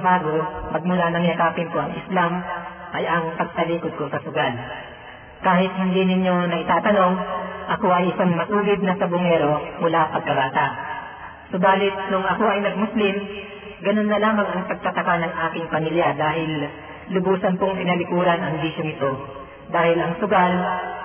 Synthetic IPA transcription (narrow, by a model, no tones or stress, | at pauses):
baːɡomɐɡ̚mʊlanɐŋjɐkaːpɪnkoɐŋʔɪslam | ʔɐjɐŋpɐɡ̚pɐliːkod̪̚kosɐsʊɡal | kaːhɪt̪̚hɪnd̪inɪɲːo̞nɐʔɪt̪aːt̪ɐno̞ŋʔɐko̞ʔɐjʔɪsaŋmɐsuːɡɪd̪̚nɐsɐbʊŋɛːɾo̞mʊlapɐɡ̚kɐbaːt̪a | sobaːlɪt̪̚nʊŋʔɐko̞ʔɐjnɐɡ̚mʊslɪm | ɡɐno̞nːɐlaːmɐŋɐŋpɐɡ̚t̪ɐt̪ɐkanɐŋʔaːkɪŋpɐmiljad̪aːɦɪlː | ʊbuːsɐnpʊŋpɪnɐlɪkuːɾɐnɐŋbiʃoŋɪt̪o̞ | d̪aːhɪlʔɐŋsʊɡal